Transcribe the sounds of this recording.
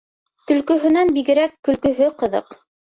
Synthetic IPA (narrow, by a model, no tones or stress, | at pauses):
t̪ɵ̆lkɵ̆ɦɵ̆nænbiɡɘ̆ɾækːɵ̆lkɵ̆ɦɵqɤ̆ðɤ̰q